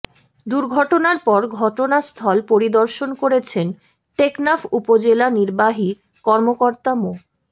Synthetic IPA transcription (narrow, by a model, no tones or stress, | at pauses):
d̪uɾɡʱɔʈonaɾpɔɾɡʱɔʈonast̪ʰɔlpoɾid̪ɔɾʃonkoɾet͡ɕʰen | ʈeknafupod͡ʑelaniɾbaɦi | kɔɾmokoɾt̪amo